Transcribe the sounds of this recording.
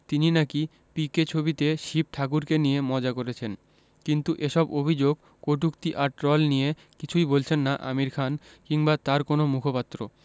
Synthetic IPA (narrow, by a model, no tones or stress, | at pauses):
t̪ininaki | piket͡ɕʰobit̪eʃip̚ʈʰak̬uɾkenijemɔd͡ʑakoɾet͡ɕʰen | kint̪uʔeʃɔbobʱid͡ʑoɡ | koʈ̬ukt̪iʔaɾʈɾɔlnije | kit͡ɕʰujbolt͡ɕʰenːaʔa̰miɾkʰankiŋbat̪aɾkonomukʰopat̪ːɾo̰